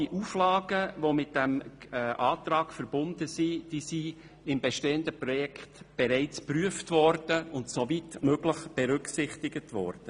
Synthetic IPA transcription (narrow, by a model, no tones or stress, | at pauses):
iʔuːflɑːɡəʋomɪt̚d̥ɛmʔɑːtɾɑːkfəɾb̥ʊndəsid̥iːsi | ɪmbɛʃteːəndəpɾɔjɛkʰχtb̥eɾɛɪt͡spryəftvɔɾd̥əʊntsovitmøɡləχb̥ɛɾʏksɪχtɪɡətʋɔ̰ɾrd̥ə